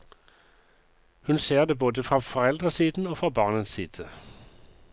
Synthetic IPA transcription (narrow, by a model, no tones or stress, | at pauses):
hʉnseːʁd̪eːboːd̪əfʁɑfɔʁɛld̪ʁəsiːd̪n̩oːfʁɑːbɑːʁnənsiːd̪̥ə